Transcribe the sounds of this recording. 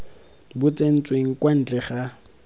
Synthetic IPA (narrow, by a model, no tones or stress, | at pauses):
bʊt͡sʼen̩t͡sʼweŋ̩kʼwan̩t͡ɬʼɛχa